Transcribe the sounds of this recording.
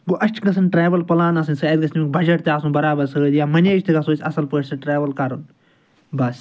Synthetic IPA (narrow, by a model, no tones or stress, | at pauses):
ɡoːʔɐʃt͡ʃʰɡɐsɐnʈɾaːʋɐlpɐlaːnɐs̬ɨnʲsɐːd̪ɡɐsmik̚bɐd͡ʒɐʈ̚t̪eaːsũːbɐɾaːbɐɾsɨːd̪jaːmɐneːʃt̪ʰiɡɐsoːsʲɐsɐlpəːʈʰʲsɐʈɾaːʋɐlkaɾun | bɐs